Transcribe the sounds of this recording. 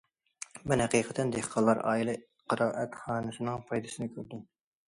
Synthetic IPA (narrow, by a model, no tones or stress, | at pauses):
mɛnhɛqiːqʰət̪ʰɛnd̪ehqʰɑlˠːɑɾɑ̰ːilˠɛ | qʰɑɾɑːʔɛt̪χɑːnɨsɨnɨŋpʰɑjd̪ɨsɨnɪkʲʰøɾd̪ɪm